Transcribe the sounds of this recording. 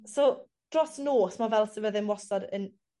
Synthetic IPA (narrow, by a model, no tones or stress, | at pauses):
so | d̥rɔsnoːsmavɛlˠsəvəðɪnwɔsɔdən